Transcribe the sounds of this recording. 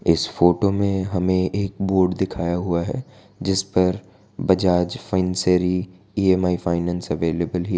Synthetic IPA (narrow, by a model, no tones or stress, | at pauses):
ɪsfoːʈomẽɦɐmẽeːk̚boːɾɖd̪ɪkʰaːjaɦʊaɦɛ̰ː | d͡ʒɪspɐɾ | bɐd͡ʒaːd͡ʒfaɪnseːɾi | ieːmaːifaːɪnɛ̃ːnsɐʋeːleːbəlɦi